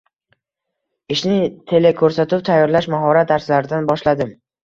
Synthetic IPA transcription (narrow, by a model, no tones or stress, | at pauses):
ɪʃnɪt̪ʰe̞lekʰɵɾsat̪ɪp̚t̪ʰajːɒɾlaʃmaɦɒɾat̪̚d̪aɾslaɾɪd̪anbɒʃlad̪ɪm